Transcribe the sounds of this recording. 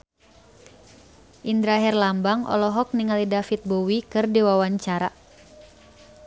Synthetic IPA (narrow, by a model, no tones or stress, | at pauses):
ʔind̪ɾaɦɛrlambaŋʔɔ̰lɔɦɔk̚niŋalidafit̪̚bowikɨrdiwawaɲt͡ʃaɾa